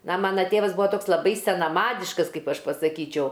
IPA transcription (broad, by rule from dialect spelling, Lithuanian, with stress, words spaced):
nɐ ˈmɑːnɐ ˈtʲeːʋɐs ˈbʊʋoː ˈtoːks lˠɐˈbɐɪ sʲɛnɐˈmɑːdʲɪʃkɐs ˈkɐɪp ˈɐʃ pɐsɐˈkʲiːt͡ʃʲɛʊ